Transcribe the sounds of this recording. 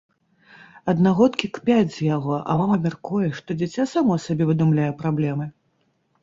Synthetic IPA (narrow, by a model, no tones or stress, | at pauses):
ɐd̪naɣɔt̪kʲikpʲad͡zʲzjaɣɔʔɐ̰vamɐmʲarkujɛʂt̪ɔd͡zʲit͡sʲasamɔɐsabʲɛvɨd̪umlʲajɛpɾablʲɛmɨ